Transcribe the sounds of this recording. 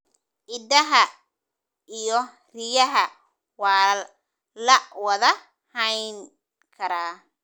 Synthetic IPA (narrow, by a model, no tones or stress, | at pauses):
ʔɪd̪ɐɦɐ | ijɔ | rɪjɐɦɐ | wɑː | lɐwɐðɐ | hɐjŋ | kʰɐɾaː